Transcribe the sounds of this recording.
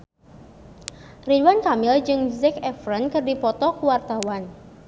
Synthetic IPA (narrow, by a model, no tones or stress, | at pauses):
riduwankamɪld͡ʒɨŋzɛkɛfɾənkɨrdipɔt̪ɔkuwart̪awan